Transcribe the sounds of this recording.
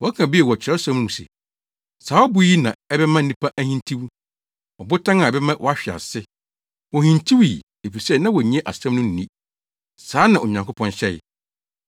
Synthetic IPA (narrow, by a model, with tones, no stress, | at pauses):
wɔ˨˦kʰã˨bi˦ɛ˨wɔ˨t͡ɕʰɾɛ˦sã˨˦m˦nũ˨sɛ̰˨ | saː˨˦ɔ˦bʊ˦ji˦nã˨ɛ˦bɛ˦mã˦nĩ˦pʰa˦ʔæ˦hĩ˦ntʰi˦wu˦ | ɔ˨bʊ˦tʰã˦ŋã˨ɛ˨bɛ˦mã˦wʔɔ˨a˦ɕᶣɪ˨a̰˨sɪ˦ | wɔ˨hĩ˨ntʰi˦wi˨ | e˨fi˨sɛ˦nã˦wɔ˨ɲĩ˦ɛ̃˦ʔa̰˨sã˦mnʊ̃˦n̩ː˨ĩ˦ | saː˨˦nã˨ʔo˨ɲã˨ŋkʊ˦pʰɔ̃˦nɕɛ˦˨j̰